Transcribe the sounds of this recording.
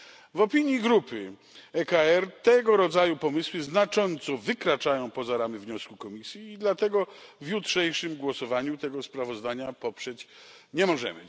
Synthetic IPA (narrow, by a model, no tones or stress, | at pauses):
vɔpʲiɲjiɡɾupɘ | ɛkaɛɾt̪ɛɡɔɾɔd̪zajupɔmɘswɘznat͡ʂɔnt̪sɔvɘkɾat͡ʂajɔ̃w̃pɔzaɾamɘvɲɔskukɔmʲisʲjiːd̪lat̪ɛɡɔvjutʂɛjʂɘmɡwɔsɔvaɲut̪ɛɡɔspɾavɔzd̪aɲapɔpʂɛt͡ɕ | ɲɛmɔʐɛ̰mɘ̰